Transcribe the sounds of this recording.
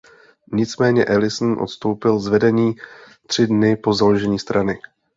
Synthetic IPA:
ɲɪt͡smɛːɲɛʔɛlɪsn̩ʔo̰t̪st̪o̞wpɪlzvɛdɛɲiːt̪r̥ɪdnɪpo̞zaloʒɛɲiːst̪ɾʔanɪ

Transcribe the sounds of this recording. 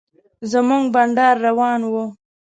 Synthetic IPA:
zamuŋɡbaɳɖɑɾːawɑnwu

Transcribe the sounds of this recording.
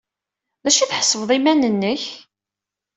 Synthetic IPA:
ðæʃiθħə̥sˤːəvðˤimænənːəç

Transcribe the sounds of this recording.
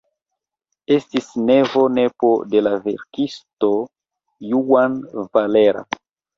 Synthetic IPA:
estisnevo̞nepode̞lavḛɾkisto | juanvaleɾa̰

